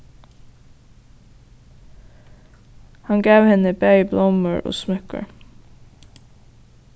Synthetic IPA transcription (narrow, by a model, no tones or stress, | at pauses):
hɑŋɡɑʉhɛnəbœʏblɔməɹʔo̰ːsmœkə̰ɹ